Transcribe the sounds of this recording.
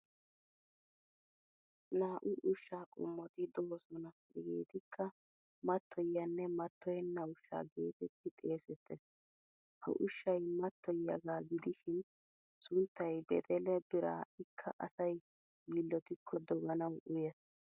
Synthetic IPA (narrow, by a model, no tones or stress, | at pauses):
naːʔʊʔʊʃːaːkʼʊ̰mːɔt̪ɪd̪ɔwɔsɔnɐfɪɡḛːt̪ɪkʰːɐ | mɐt̪ʰːɔjːɐnːɛmɐt̪ːɔjɛnːɐʊʃːa̰ːɡe̞ːt̪ɛt̪ːɪt̪ʼe̞ːsɛt̪ːɛs | hɐ̰ʔʊʃːɐjmɐt̪ːɔjːɐɡaːɡɪd̪ɪʃɪn | sʊnt̪ːɐjbɛt̪ʼɛlɛbɪɾa̰ːɪkʰːɐʔɐsɐj | ɡiːlːɔt̪ɪkʰːɔd̪ɔɡɐnɐwʔʊjɛs